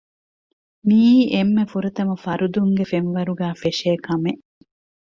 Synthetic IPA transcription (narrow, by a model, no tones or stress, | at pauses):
miːemːefuɾɐt̪ɐmɐfɐɾud̪uŋɡefenʋɐɾuɡæːfeʃeːkɐmeʔ